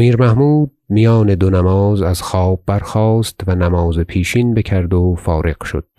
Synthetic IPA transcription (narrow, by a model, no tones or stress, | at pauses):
miːɾmæhmuːd̪̚mijɒːne̞d̪onæmɒːzæz̥xɒːb̚ːæɾxɒːst̪vænæmɒːzepʰiːʃiːnbecʰæɾd̪ofɒːɾe̞qʃo̰d̪̥